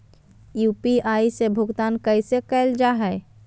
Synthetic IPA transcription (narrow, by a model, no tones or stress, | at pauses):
juːpiaːisebʱʊɡt̪aːnkəɪsekɛːld͡ʒaɦɛ